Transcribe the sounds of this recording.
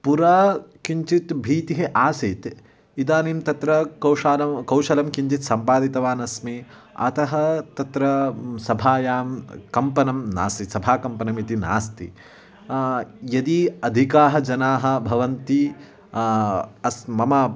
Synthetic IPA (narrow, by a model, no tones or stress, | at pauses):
puɾaːkiɲt͡ʃit̪bʱiːt̪iɦeʔaːsit̪ | id̪aːnimt̪ɐt̪ɾɐkɐwʃaːlɐmkɐwʃɐlɐmkiɲt͡ʃit̪sɐmpaːd̪it̪ɐʋaːnɐsmi | ɐ̰t̪ɐɦɐt̪ɐt̪ɾɐsɐbʱaːjaːmkɐmpɐnɐmna̰ːsisɐbʱaːkɐmpɐnɐmit̪ina̰ːst̪ḭ | jɐd̪iɐd̪ʱikaːɦɐd͡ʒɐnaːɦɐ̆bʱɐʋɐnt̪i | ɐsmɐmɐ